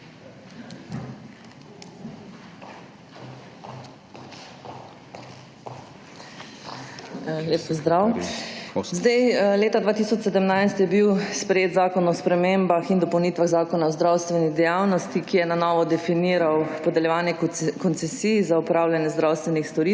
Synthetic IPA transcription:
leːppɔzd̪ɾaw | zd̪ajleːt̪ad̪ʋaːt̪isɔt͡ʃsɛd̪əmnajst̪jɛbiwspɾɛjeːd̪zaːkɔnɔspɾɛmembaxind̪ɔpɔwnit̪ʋaɣzaːkɔnaɔzd̪ɾawst̪ʋɛnid̪ɛjawnɔst̪ikijɛnanɔːʋɔd̪ɛfiniːɾawpɔd̪ɛljɛʋaːnjɛkɔnt̪sɛsiːzaupɾaːwljanjɛzd̪ɾawst̪ʋɛnixst̪ɔɾi

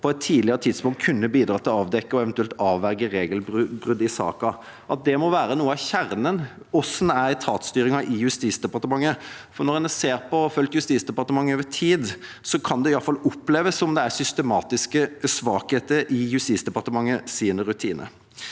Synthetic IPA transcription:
pʰɔɛt̪ʰːiːdlɪəɾət̪ʰɪd̪spʊŋkt̪̚kʰʉnːəbiːd̪ɾɑːt̪ːɪlɔɑːʋd̪ɛkːəɔɛʋɛnt̪ʉɛlt̪ɑːʋʋæɾɡəɾeːɡəlbʁʉd̪ːɪsɑ̰ːkɑ | ʔɑt̪̚d̪ɛmɔʋæːɾənuːəɑʋçæɾnən | ɔsn̩æɾt̪ʰɑːt̪st̪yːɾɪŋɑʔɪjʉst̪iːt̪sd̪ɛpɑɾt̪əmɑŋːə | fɔnɔɾɛnəseːɾpʰɔfœlt̪jʉst̪iːsd̪ɛpɑʁt̪əmɑŋːəoːʋət̪ʰiːd̪ | sɔkʰɑnd̪ɛɪɑlfɑlːʊpːleːʋəsɔmd̪ɛæɾsʏst̪əmɑːt̪ɪskəsʋɑːkheːt̪əɾɪjʉst̪iːt̪sd̪ɛpɑʁt̪əmɑŋːəsiːnəɾʉt̪ʰiːnʔə̰

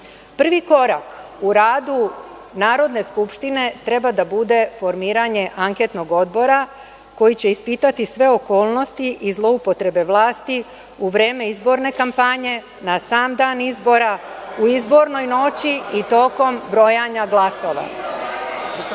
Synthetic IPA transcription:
pr̩ʋiko̞ɾak | uɾaːd̪u | naːɾo̞d̪ne̞skupʃt̪ine̞t̪ɾe̞bad̪abud̪e̞fo̞ɾmiːɾaɲe̞ʔaŋke̞t̪no̞ɡo̞d̪bo̞ɾa | ko̞jit͡ɕe̞ispit̪at̪isʋe̞o̞ko̞ːlˠno̞st̪iʔizlˠo̞upo̞t̪ɾe̞be̞ʋlˠaːst̪i | uʋɾe̞ːme̞izbo̞ɾne̞kampaɲe̞ | nasaːmd̪aːnizbo̞ɾauizbo̞ɾno̞jno̞t͡ɕiit̪o̞ko̞mbɾo̞jaɲaɡlˠaso̞ʋa̰

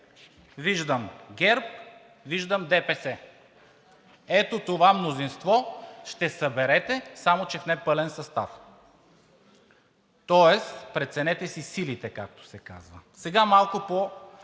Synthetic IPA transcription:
viʒd̪əmɡʲɛɾp̚ | viʒd̪əmd̪ɛpɛsɛ | ɛt̪ot̪ovamnozinst̪vɔʃt̪ɛsɐbɛɾɛt̪ɛsamot͡ʃɛfnɛpɤlɛnsɐst̪a̰f | t̪ɔɛspɾɛt̪sɛnɛt̪ɛsisilit̪ɛkak̚t̪o̥sɛka̰zvəsɛɡamalˠkʊpo

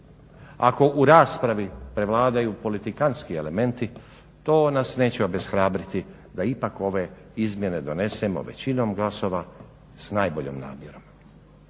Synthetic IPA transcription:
a̰ko̞ʔuɾaːspɾaʋipɾe̞ʋlˠaːd̪ajuːpo̞lit̪ikanskiele̞me̞nt̪i | t̪o̞ːnasne̞ːt͡ɕeobe̞sxɾaːbɾit̪i | d̪aipako̞ʋe̞ | izmje̞ne̞d̪o̞ne̞semo̞̰ʋe̞̰t͡ɕino̞mɡlˠaso̞ʋa | snaːjbo̞ʎo̰mna̰ːmje̞ɾo̞m

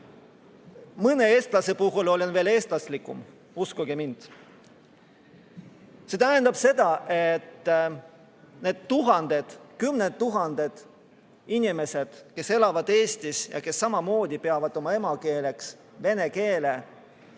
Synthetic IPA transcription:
mɤne̞e̞ːst̪lɑse̞puɦulo̞lenve̞ːle̞ːst̪lɑslikːˑṵm | uskuɡ̥emind̪̥ | se̞t̪æɦend̪ɑb̥se̞d̪̥ɑʔe̞t̪ː | ne̞ːd̪̥t̪uɦɑnd̪̥e̞d̪̥kymned̪ːuɦɑnd̪̥e̞d̪̥ | inʲime̞se̞d̪̥ke̞se̞lɑvɑd̪̥e̞ːst̪isjɑ̰ke̞sːɑmɑmo̞ːd̪̥ʲipe̞ɑvɑd̪̥o̞mɑe̞mɑke̞ːleks | ve̞ne̞ke̞ːle̞

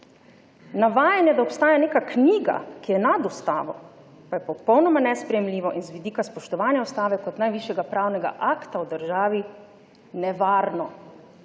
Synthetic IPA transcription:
naʋaːjanjɛd̪aɔpst̪aːjaneːkakniːɡa̰kijɛnad̪ust̪a̰ːʋɔ̰ | pajɛpɔpɔwnɔmanɛspɾɛjɛmliːʋɔʔinzʋid̪iːkaspɔʃt̪ɔʋaːnjaust̪aːʋɛkɔt̪najʋiʃjɛɡapɾaːwnɛɡa̰ʔakt̪awd̪əɾʒaːʋi | nɛʋaːɾnɔ

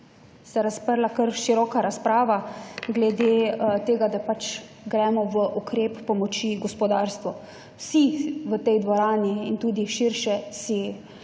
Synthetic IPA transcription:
sɛɾaspəɾlakəɾʃiɾɔːkaɾaspɾaːʋaɡlɛd̪eːt̪eːɡad̪apat͡ʃ | ɡɾɛːmɔʋəʔukɾeːpːɔmɔt͡ʃiɡɔspɔd̪aːɾst̪ʋɔ | wsiʋət̪ɛjd̪ʋɔɾaːniːnt̪uːd̪iʃiɾʃɛsi

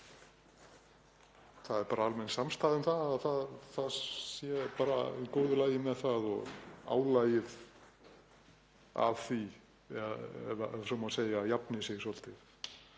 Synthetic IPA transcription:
θaðɛɾpaːɾaalmɛnsamst̪aːðʏmθaðaðθaðθaðsjɛpaːɾa̰koːwðʏlaːjɪmɛðθaðɔ̰ɣa̰ːwlaːjɪð | a̰v̥θi | ɛɛ̰ðaɛðsɔmaseːjajapnɪseːjsɔl̥t̪ɪθ

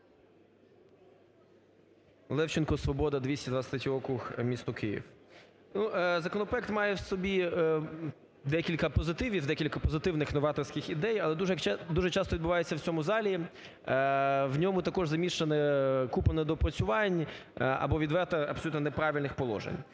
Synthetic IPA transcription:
lˠɛwt͡ʃɪnkɔsʋɔbɔd̪ɐd̪ʋʲisʲtʲid̪ʋɐsʲt̪ɾʲɛtʲiɔkɾuxmʲist̪ʊkɪjḭw | nuzɐkɔnɔpɾɔɛkt̪mɑjɛwsɔbʲi | d̪ɛkʲilʲkɐpɔzɪt̪ɪʋʲiwd̪ɛkʲilʲkɐpɔzɪt̪ɪwnɪxnɔʋɑt̪ɔrsʲkɪxid̪ɛjɐlˠɛd̪uʒɛd̪uʒɛt͡ʃɑst̪ɔid̪bʊʋɑjet͡sʲːɐwt͡sʲɔmʊzɑlʲi | wnʲɔmʊt̪ɐkɔʒzɐmʲiʃenɛkupɐnɛd̪ɔpɾɐt͡sʲʊʋɑnʲɐ̰bɔʋʲid̪ʋɛrt̪ɐɐpsɔlut̪nɔnepɾɑʋʲilʲnɪxpɔlˠɔ̰ʒḛnʲ

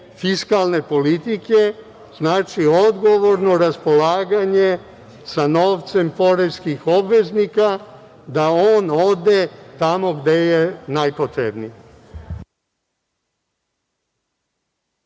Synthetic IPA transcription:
fiskalˠne̞po̞lit̪ike̞ | znaːt͡ʃio̞d̪ɡo̞ʋo̞ɾno̞ɾaspo̞laːɡaɲe | sano̞ːʋt̪se̞mpo̞ɾeskixo̞bʋe̞znika | d̪aoːno̞d̪e̞t̪amo̞ɡd̪ejenajpot̪ɾebni

